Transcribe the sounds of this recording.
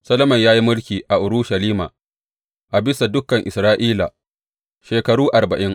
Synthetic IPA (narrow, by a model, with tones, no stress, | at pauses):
sɐ˦lɐ˦mɐ˨ɲjaː˦ji˦mʊ˦lkʲiː˨ʔa˨ʔʊ˨ɾuː˦ʃɐ˨liː˦ma̰˨ | ʔa˨bɪ˦sa˨dʊ˦kːɐ˨ŋʔɪ˨sɾaː˦ʔiː˦la̰˨ | ʃeː˨kɐ˨ɽuː˦ʔa˨rbɐ˨ʔɪ˦ŋ